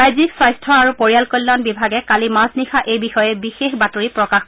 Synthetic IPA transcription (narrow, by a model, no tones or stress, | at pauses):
ajziksajstʰɔaɹupoɹijalkɔlːanbibʱaɡɛkalimasnixaʔejbixɔjɛbixexbatoɹipɹɔkax